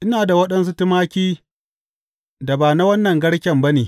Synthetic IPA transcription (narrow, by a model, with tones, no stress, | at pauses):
ʔɪ˦naː˨da˨wɐ˦ɗɐ˦ns̬u˦tɪ˦maː˦kʲiː˦ | da˨baː˨na˦wɐ˦nːɐ˨ŋɡɐ˦ɽkʲɛ˨mba˦neː˨